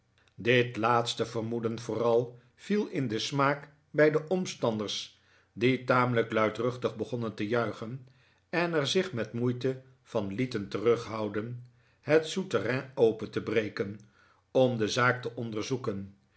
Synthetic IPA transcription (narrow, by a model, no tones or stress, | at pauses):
dɪtlaːtstəvərmudənv̥ʊːrɑlˠ | v̥ilˠɪndəsmaːk | bɛjdəʔɔmstɑndərs | ditaːmələklœɥtrɵχtəχbəχɔnəntəjœɥχən | ɛnɛɹzɪχmɛtmujtə | v̥ɑnlitəntərɵχɦɑwdən | ɦətsutərɛowpəntəbrejkən | ɔmdəzaːktəʔɔndəɹzukən